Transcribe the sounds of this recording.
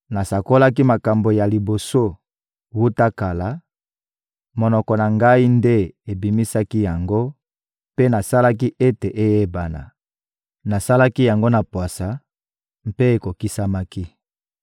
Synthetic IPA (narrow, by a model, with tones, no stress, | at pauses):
na˨sa˨ko˦la˦ki˦ma˨ka˨mbo˨ja˨li˨bo˨so˦ | wu˦ta˦ka˨la˨˦ | mo˨nɔ˨kɔ˨na˨ŋɡa˦i˦nde˦e˨bi˨mi˦sa˦ki˦ja˨ŋɡo˦ | pe˦na˨sa˦la˦k̬i˦ʔe˦te˨ʔe˦je˦ba˨na̰˨ | na˨sa˦la˦ki˦ja˨ŋɡo˦na˨pwa˨sa˨ | mpe˦e˨ko˨ki˦sa˦ma˦ki˦